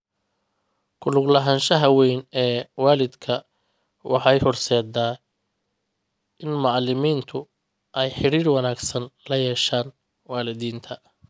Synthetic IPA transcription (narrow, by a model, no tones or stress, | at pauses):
kʰʊlʊɡlɐɦɐnʃɐɦɐwɛjnɛːwaːlɪd̪kʰɐ | wʔɑħɑjhʊrsɛːd̪aː | ɪnmɑʕlɪmiːnt̪ʰʊ | ʔɛjħɪɾiːrwɑnaːɡsɐnlɐjɛːʃaːn | waːlɪðiːnt̪ʰɐ